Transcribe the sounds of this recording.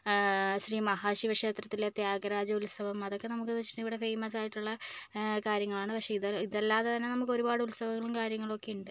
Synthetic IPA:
ɕriːmɐɦaːɕiʋɐkʂe̞ːt̪rɐt̪ːilet̪jaːɡɐɾaːd͡ʑɐulsɐʋɐmɐðo̞kːe̞nɐmukːɨt̪uʋɐt͡ɕːi̥ʈːɨiʋiɽe̞fejmɐs̬aːjiʈːuɭːɐkaːɾjɐŋːɐɭaːɳɨpɐkʂeiðɐliðelːaːðet̪ɐnːe̞nɐmːukːo̞ɾubaːɽɨulsɐʋɐŋːɐɭumkaːɾjɐŋːɐɭo̞kːe̞juɳɖɨ

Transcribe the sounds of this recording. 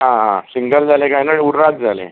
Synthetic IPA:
ɦãɦãsiŋɡəld͡zʱalẽkajnəɽuɾɾad͡zd͡zʱalḛ

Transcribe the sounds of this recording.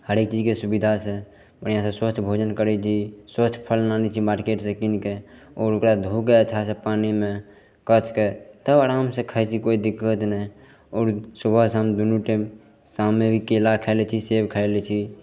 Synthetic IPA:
həɾeːk̚t͡ʃid͡ʒkesubid̪ʱasẽ | bənijasẽswət͡ʃʰːbʱod͡ʒənkəɾɛt͡ʃʰiswəpʰəlnanit͡ʃʰimaɾkeʈsẽkinke | ɔːɾukɾad̪ʱukeət͡ʃʰasepanimẽ | kət͡ʃʰket̪əbəɾamsẽkʰəɛt͡ʃʰikoid̪ikːət̪nɛ | ɔːɾsubʱəɦseɦəmd̪unuʈɛm | samːebʱikelakʰɛlɛt͡ʃʰisebkʰəelɛt͡ʃʰi

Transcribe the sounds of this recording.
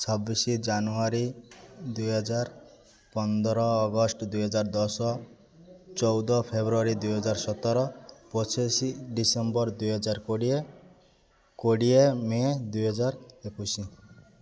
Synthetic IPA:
t͡ʃʰɔbːisid͡ʒanuaɾid̪ujɦɔd͡ʒaɾ | pɔnd̪ɔɾɔːɡɔsʈd̪ujɦɔd͡ʒaɾd̪ɔsɔ | t͡ʃɔwd̪ɔpʰebɾuaɾid̪ujɦɔd͡ʒaɾsɔt̪ɔɾɔpɾɔt͡ʃesiɖisembɔɾd̪ujɦɔd͡ʒaɾkoɽie | koɽiemed̪ujɦɔd͡ʒaɾekusi

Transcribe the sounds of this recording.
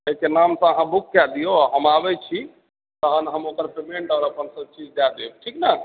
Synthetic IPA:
ekenamsə̃əɦãbukːad̪ijoaɦəmabɛt͡ʃʰi | t̪əɦənɦəmokəɾpemeɳʈəɾəpənsə̃t͡ʃid͡ʒd̪ad̪eb̚ʈʰikna

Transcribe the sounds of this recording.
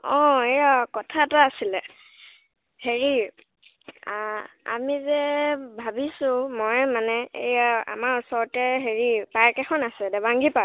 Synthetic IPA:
ɔ̃ejakɔtʰataasilɛ | heɹi | a | a̰mizɛbʱabisʊ̃mɔjmanɛḛjaa̰maɹɔsɔɹɔtɛɦeɹipaɹkɛxʰɔnasɛdɛbaŋɡipa

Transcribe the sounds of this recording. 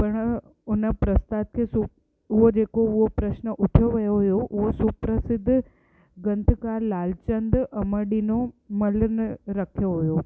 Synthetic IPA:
pɐɽ̃ | ʊnəpɾɐst̪aːt̪̚kʰeːsu | ʊɦod͡ʑeːkoʊɦopɾəʃnəʔʊʈʰjoʋɐjoɦʊjoʔʊɦosupɾəsɪd̪ʱː | ɡɐ̃nt̪ʰkaːɾlaːlt͡ɕənd̪ʔɐməɖinomɐlnɾɐkʰjoɦʊjo

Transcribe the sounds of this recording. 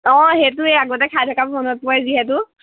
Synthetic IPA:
ɔ̃ɦet̬ʊeaɡɔt̬ɛkʰajtʰɔkapmɔnɔt̚pɔajziɦɛtʊ

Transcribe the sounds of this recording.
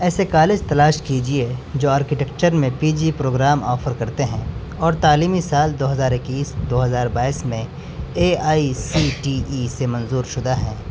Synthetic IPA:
ɛːsekaːled͡ʒt̪ɐlaːʃkid͡ʒied͡ʒoːaːɾkɪʈɛkt͡ʃəɾmẽpiːd͡ʒipɾoːɡɾaːmɔːfəɾkɐɾt̪eɦɛ̃ː | ɔːɾt̪aːliːmisaːld̪oːɦɐzaːɾɪkiːsd̪oːɦɐzaːɾbaːiːsmẽ | eːaːisiːʈiːisemɐ̃nzuːɾʃʊd̪aɦɛ̰̃ː

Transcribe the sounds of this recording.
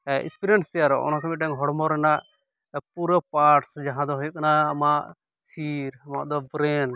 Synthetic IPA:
ɛḭspiɾɛnst̪ɛjaɾɔ̰ʔɔ̰nakʰamiʈaŋɦɔɽmɔɾɛnaʔ | puɾəpaɾʈsd͡ʒaɦãd̪ɔɦɔjuʔkanaːmaʔ | siɾama̰ʔd̪ɔbɾɛn

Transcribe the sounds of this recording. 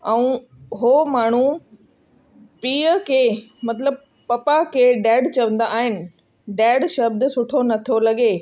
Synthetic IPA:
ɛũː | ɦoːmaːɳ̤ũ | piːəkʰeːmɐt̪ləb̚ | pɐpakʰeːɖɛːɖt͡ɕɐʋə̃nd̪aʔaːɦɪnɪ̆ | ɖɛːɖʃɐb̚d̪sʊʈʰonɐt̪ʰolɐɡe

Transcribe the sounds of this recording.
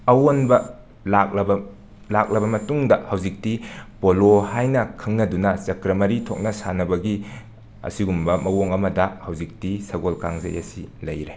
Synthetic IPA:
ɐwonbɐ | lak̚lɐbɐ | lak̚lɐbɐmɐtuŋdɐhɐwzik̚tipolohajnɐkʰɐŋnɐdunɐt͡ʃɐkɾɐmɐɾitʰok̚nɐsanɐbɐɡi | ɐ̰siɡumbɐmɐwoŋɐmɐdɐhɐwzik̚tisɐɡolka̰ŋzɐ̰jɐ̰silɐjɾe

